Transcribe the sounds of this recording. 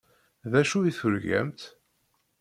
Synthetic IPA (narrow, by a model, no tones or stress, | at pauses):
ðæʃuiθʊɾʝæ̰mt̪